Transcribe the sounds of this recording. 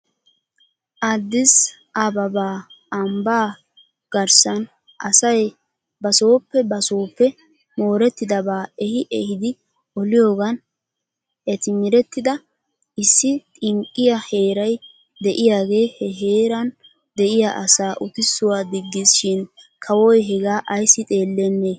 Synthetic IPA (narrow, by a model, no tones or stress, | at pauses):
ʔad̪ːɪs | ɐbɐbaː | ɐmbaː | ɡ̥ɐɾsɐn | ʔɐsɐj | bɐso̞ːpːɛbɐso̞ːpːɛ | mo̞ːɾɛt̪ːɪd̪ɐbaːɛhɪʔɛhɪd̪ɪ | ɔlɪjo̞ːɡɐn | ʔɛt̪ɪmɪɾɛt̪ːɪd̪ɐ | ʔɪsːɪt̪ʼɪŋkʼːɪjɐhe̞ːɾɐj | d̪ɛʔɪjaːɡe̞ːhɛɦe̞ːɾɐn | d̪ɛʔɪjaʔɐsaːʔʊt̪ɪsːʊwaːd̪ɪɡːɪsʃɪn | kʰɐwɔjɦɛɡaːʔɐjsːɪt̪ʼe̞ːlːɛnːe